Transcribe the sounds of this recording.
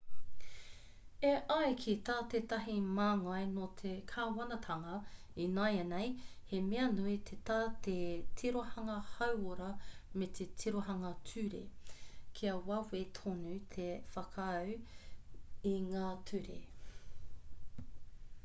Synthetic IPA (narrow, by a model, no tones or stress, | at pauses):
eʔɐjkʰit̪aːt̪eːt̪ɐɦimaːŋɐjnot̪ʰekʰaːwɐnɐt̪ʰɐŋɐ | inajɐnejhemeɐnuit̪ʰetaːt̪ʰetʰiɾohɐŋɐhɐwoɾɐmet̪ʰetʰiɾoɦɐŋɐtʰʉɾḛkʰiɐwɐwet̪ʰonʉt̪ʰefɐkʰːw | iŋaːtʰʉɾḛ